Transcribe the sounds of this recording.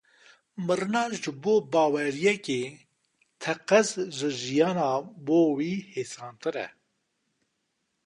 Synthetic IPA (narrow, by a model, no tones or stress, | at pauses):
mɨɾɨnɑːʒɨboːbɑːwɛɾijɛkeː | t̪ʰɛqɛzʒɨʒijɑːnɑːboːwiːheːsɑːnt̪ɨɾɛ̰